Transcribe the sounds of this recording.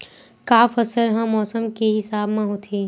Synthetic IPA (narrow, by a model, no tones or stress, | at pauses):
kaːfəsəlɦãmɔːsəmkeɦɪsaːbmãɦoːt̪ʰeː